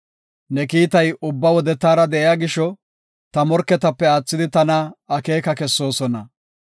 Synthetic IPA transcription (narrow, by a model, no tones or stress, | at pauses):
nɛkiːt̪ɐjʊbːɐwɔd̪ɛt̪aːɾɐd̪ɛʔɛjaːɡɪʃɔ | t̪ɐmɔɾkːɛt̪ɐpːɛaːt͡sːɪd̪ɪt̪ɐnɐːke̞ːkɐkɛsːo̞ːsɔnɐ